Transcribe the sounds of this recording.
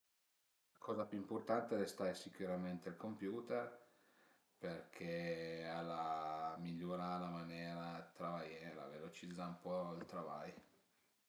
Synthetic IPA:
lakɔːzapjuimport̪ant̪ed̪ɛst̪aɾesikuɾament̪eilkompjuːt̪er | perkʰealamiʎːoɾalamanjɛːɾat̪ɾavajɛːɾa̰velot͡ʃid̪zːaumpɔilt̪ɾavaj

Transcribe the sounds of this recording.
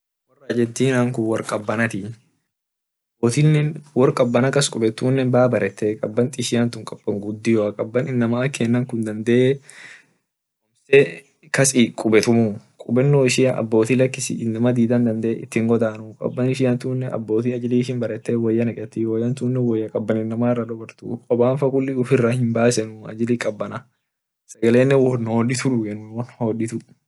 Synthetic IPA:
wɐrːɐd͡ʒɛt̪ːiːnaːŋkʊwɐɾkʼɐbːɐnɐt̪ɪ | ɐ | bːoːt̪inːɛnwɔɾkʼɐbːɐnɐkɐskʼʊbɛt̪ːuːnːɛbaːbɐɾʔɛt̪ːeːkʼɐbːɐnt̪ʼɪʃɪjɐnt̪ʊŋkʼɐb̥ːɐŋɡʊd̪ːɪjɔɐkʼɐbːɐnɪnːɐmɐɐkʰːeːnːɐŋkʊnd̪ɐnd̪ɛʔe | ɔmsɛ | kɐsikʼʊbɛt̪ʊmukʼʊbɛnːoːɪʃɪɐʔɐ̰bːo̞ːt̪ilɐkːɪsɪ̰nːɐmɐd̪iːd̪ɐnd̪ɐnd̪ɛḛɪt̪ːɪŋɡɔd̪aːnʊkʼɐ̰bːɐnɪʃ̬ɪjɐnt̪uːnːɛʔɐ̰bːo̞ːt̪iɐd͡ʒɪliːʃɪnbɐɾɛt̪ːeːwɐjːɐnɛkʼɛt̪ːɪwɔjɐnt̪uːnːɛwɔjːɐkʼɐbːɐnɪnːɐmaːrːɐd̪ɔbɐɾt̪ṵkʼɔbaːnfɐkʊlːɪʊfɪrːahɪmbaːsɛnʊɐ̰d͡ʒɪlikʼɐbːɐnɐ | sɐɡɐleːnːɛwɔnːhoːdɪt̪ʊᶑʊɡɛnːʊnwɐnhoːdɪt̪ʊ

